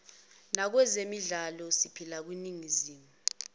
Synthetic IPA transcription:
nak̬wɛzemiɮalɔsipʰilak̬winiŋiziːmu

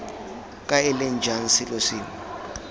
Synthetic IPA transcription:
kʼaɛlɛnd͡ʒʱansilosiːmɔ

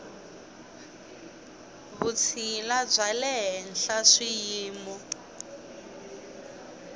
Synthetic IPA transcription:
βut͡sʰilab͡ʐʷalɛɦɛn̩ɬaʂijiːmɔ

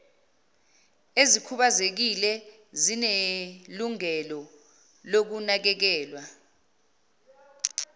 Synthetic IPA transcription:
ezikʰuɓazek̬ilɛ | zineluŋɛlɔ | lok̬unak̬ɛk̬ɛːlwa

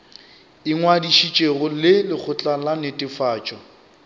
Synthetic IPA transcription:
ɪŋwadiʃit͡ʃʼeɣʊlɪlɪk͡xʰʊt͡ɬʼalanetʼɪfaːt͡ʃʼɔ

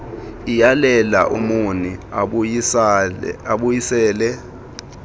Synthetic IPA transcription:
ijalɛla̰ʔumuni | aɓujisɛːlɛ

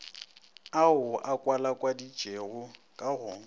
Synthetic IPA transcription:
aʊʔakʼwalakʼwadi̥d͡ʒ̥ʱʼeɣʊkʼaɣʊːŋ̩

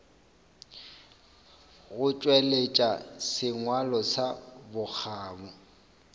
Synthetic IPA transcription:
ɣʊt͡ʃʼwelet͡ʃʼasɪŋwalɔsabʊk͡xʰaːbɔ

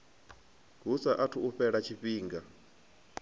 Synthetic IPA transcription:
ɡ̥usaʔatʰuuɸɛɺat͡ʃʰiɸiːŋɡa

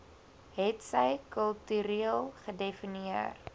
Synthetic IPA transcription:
ɦɛtsəjkəlˠtyɾiəlˠχədefiniər

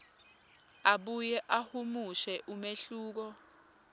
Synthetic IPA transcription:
aɓujɛʔahumuʃɛʔumeɬuːk̬ɔ

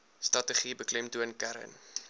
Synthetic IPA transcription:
strɐtəχibəklɛmtuənkæɾə̰n

